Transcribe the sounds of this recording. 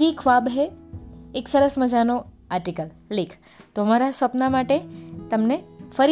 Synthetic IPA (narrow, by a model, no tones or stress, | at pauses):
ikʰʋabɦeː | ksəɾəsməd͡ʒano | aːɾʈikəl | lekʰ | t̪omaɾasʋəpnamaʈet̪əmnefəɾ